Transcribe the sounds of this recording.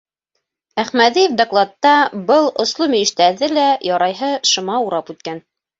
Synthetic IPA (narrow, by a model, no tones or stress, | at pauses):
æχmæðijefd̪oklˠɑt̪ːɑbɤlˠŏslˠomiɘ̆ʃt̪æðɘlæjɑɾɑjɦɤʃŏmɑuɾɑpʉt̪̚kæn